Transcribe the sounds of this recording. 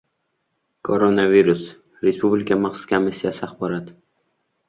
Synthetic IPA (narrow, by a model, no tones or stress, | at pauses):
kʰoɾonaviɾus | ɾe̞spublʲɪkʰamaχsʊ̥skʲamisːijasɪaχbɒɾat̪